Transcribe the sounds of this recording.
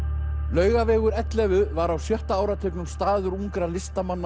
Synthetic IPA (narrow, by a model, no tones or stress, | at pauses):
lœːɥɣavɛːɣʏɾɛt̪lɛvʏvaɾawsjœht̪aaːwɾat̪ʰʏknʏmst̪aːðʏɾuŋkɾalɪst̪amanː